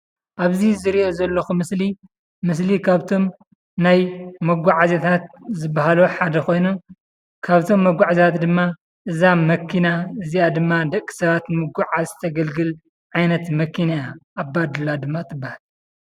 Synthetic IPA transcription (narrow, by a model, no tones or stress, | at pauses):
ʔaβzizɨɾiʔo̞zɐlːɐxumɨsli | mɨs̬likʰaβt̪ʰo̞m | najmɐɡʷaʕazet̪ʰat̪̚zɨbːaɦaloħad̪ɐko̞jnu | kʰaβt̪ʰo̞mːɐɡʷaʕzat̪d̪ɨmːa | ʔɨzamɐkʰːinaɨziʔad̪ɨmːad̪ɐkʼːi̥sɐβat̪mɨɡʷuʕazt̪ʰɐɡɐlɡɨl | ʕajnɐt̪mɐkʰinajaʔːbːad̪ɨlad̪ɨmːat̪ʰɨbːahal